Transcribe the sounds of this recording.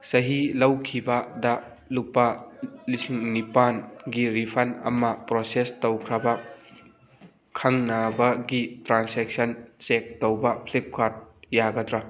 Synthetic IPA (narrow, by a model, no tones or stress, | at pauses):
sɐɦilɐwkʰibɐdɐ | lupalisiŋnipanɡiɾipʰɐnɐ̰mɐpɾosestowkʰɾɐbɐ | kʰaŋnabɐɡitɾansek̚sɐnt͡ʃek̚towbɐpʰlip̚kʰaɾt̚jaɡɐdɾa